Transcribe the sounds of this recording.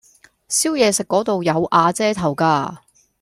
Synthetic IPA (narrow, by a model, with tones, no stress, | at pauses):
siː˥wjɛː˨˧sɪ˨kːɔː˨˥t̪o˨wjɐ˨˧wʔaː˨˧t͡sɛː˥t̪ʰɐ˨˩wkaː˧